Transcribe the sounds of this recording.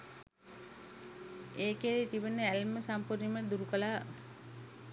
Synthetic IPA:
eːkeɾet̪iʋənəælməsampuɾiməd̪uɾukəlaː

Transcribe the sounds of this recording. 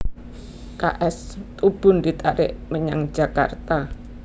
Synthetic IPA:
ka̰ʔɛst̪ub̥ʊ̤ndit̪aɾɪʔməɲaŋ̥d͡ʒ̥a̤ka̰rt̪a

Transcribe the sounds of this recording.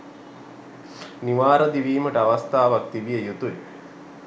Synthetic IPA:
niʋaːɾəd̪iʋiːməʈəaʋast̪aːʋak̚t̪iʋijəjut̪ue

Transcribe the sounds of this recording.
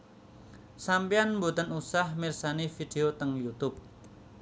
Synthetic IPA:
sampianmbut̪ənusahmirsanifid̪̥eot̪əŋjut̪ʊp̚

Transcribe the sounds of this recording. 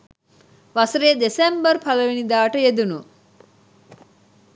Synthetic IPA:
ʋasəɾeːd̪esembərpʰaləʋinid̪aːʈəjed̪unu

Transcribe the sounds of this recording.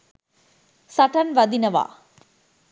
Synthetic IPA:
sɐʈɐnʋɐd̪inɐʋa̰ː

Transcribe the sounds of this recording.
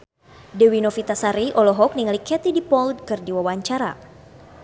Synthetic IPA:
dɛwinɔfit̪asaɾiʔɔlɔɦɔk̚niŋalikɛt̪idipɔld̚kɨrdiwawaɲt͡ʃaɾa̰

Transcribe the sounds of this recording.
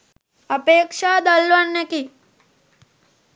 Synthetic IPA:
ɐpeːkʂaːd̪ɐlʋɐnjɐki

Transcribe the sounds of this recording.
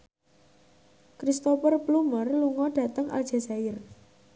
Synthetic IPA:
kɾist̪opərplumərluŋɔɖ̥ä̤t̪əŋʔa̰ld̥ʒ̥a̤saɪr

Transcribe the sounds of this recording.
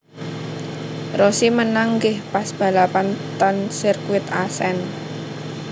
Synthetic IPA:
rɔsimənaŋɡɪhpasb̥a̤lapant̪ansirkuwɪt̪asɛn

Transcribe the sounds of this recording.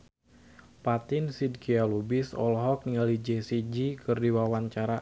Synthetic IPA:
pat̪ɪnsid̚kialubisɔ̰lɦɔk̚niŋalid͡ʒɛsid͡ʒikɨrdiwawaɲt͡ʃaɾa

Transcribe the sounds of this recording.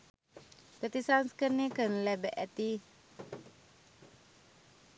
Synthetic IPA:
pət̪isanskənikənlɛbɛʔɛt̪i

